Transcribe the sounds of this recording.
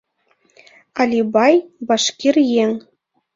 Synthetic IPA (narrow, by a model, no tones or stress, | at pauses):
ɑlʲibɑjbɑʂkʲirjeŋ